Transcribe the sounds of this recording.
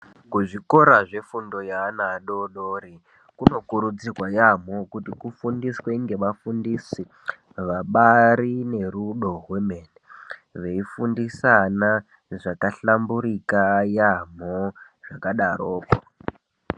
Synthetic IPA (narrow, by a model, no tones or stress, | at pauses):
kuʐiko̞ɾaʐe̞fundo̞jaːnaɗo̞ɗoːɾi | kuno̞kuɾud͡zikwajam̤okutikufundisweiŋɡe̞ʋafundisi | ʋaɓaɾine̞ɾuɗo̞ɦwemeːneʋe̞ifundisana | ʐakaɬambuɾikajam̤o | ʐ̥akaɗaɾoːko